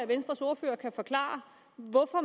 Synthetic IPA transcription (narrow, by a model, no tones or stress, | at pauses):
æʋensd̥ʁɐso̝ːɐfø̰ːɐkʰæfɒ̽kʰlɑ̰̈ːɐ | ʋɒfɒ̽